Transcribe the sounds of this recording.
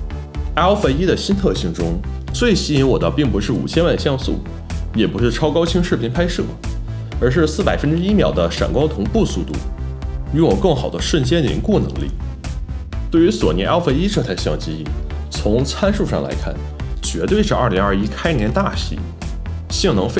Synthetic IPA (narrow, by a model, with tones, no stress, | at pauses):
a˥o˥fe˥ɪi˥d̪ə˨ɕi˥nt̪ʰɤ˥˧ɕi˥˩ŋʈ͡ʂʊ˥ŋt͡swe˥˩ɪɕi˥i˧˥nwɔ˨˩d̪ə˦pi˥˩ŋpu˧˥ʂɻ̩˥˩ṵ˨˩t͡ɕʰjɛ˥nwa˥˧nɕjɑ˥˧ŋsṵ˥˩ | jɛ˨˩pu˧˥ʂɻ̩˥˩ʈ͡ʂʰɑ˥ʊkɑ˥ʊt͡ɕʰi˥ŋʂɻ̩˥˩pʰi˧˥npʰa˥ɪʂɤ̰˥˩ | ə˞˧˥ʂ̬ɻ̩˥˧sɹ̩˥˩pa˨˩ɪfə˥nʈ͡ʂɻ̩˥i˥mjɑ˨˩ʊd̪ə˦ʂa̰˨˩ŋkwɑ˥ʊt̪ʰʊ˧˥ŋpu˥˧su˥˧t̪ṵ˥˩y˧˥wɔ˨˩kɤ˥˩ŋxɑ˨˩ʊd̪ə˦ʂwə˥˩nt͡ɕjɛ˥nə˨˩ḭ˧˥kwɔ˥˩nɤ̰˧˥ŋlḭ˥˩ | t̪we˥˩ɪy˧˥swɔ̰˨˩njɛ˧˥na˥˩fe˧˥ɪi˥ʈ͡ʂɤ˥˧t͡sʰa˥˧ɪɕjɑ˥˧˩ŋt͡ɕi˧˥˩t͡sʰʊ˧˥ŋt͡sʰa˥nʂu˥˧ʂɑ˥˩ŋla̰˧˥ɪkʰa̰˥˩n | t͡ɕɥɛ˧˥t̪we˥˧ɪʂɻ̩˥˧ɐ˞˥˩li˧˥ŋɐ˞˥˧i˥kʰa˥ɪnjɛ˧˥nt̪a˥˩ɕḭ˧˥ | ɕi˥˩ŋnɤ˧˥ŋfe˥˧